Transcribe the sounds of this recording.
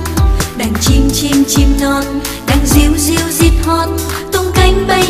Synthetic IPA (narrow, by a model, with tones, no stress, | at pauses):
ɗa˨˩ŋt͡ɕi˧mt͡ɕi˧mt͡ɕi˧mnɔ˧n | ɗa˨˩ŋzi˧˨˦əwzi˧˦əwzi˨˧˥t̚hɔ˧˩n | t̪ʊ˧ŋ͡mka˧˦jŋ̟ɓə˧